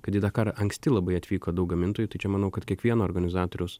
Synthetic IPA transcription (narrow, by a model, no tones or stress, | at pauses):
kɐt̪id̪ɑːkɐɾʔɐŋksʲt̪ʲɪlˠɐbɐɪɐt̪ʲʋʲiːkoːd̪ɐʊk̚ɡɐmʲɪnt̪oɔːjut̪ɐɪt͡ʃʲɛmɐnɐʊkɐt̪kʲiɛkʋʲiɛnoːɾɡɐnʲɪzɑːt̪oːɾʲɛʊs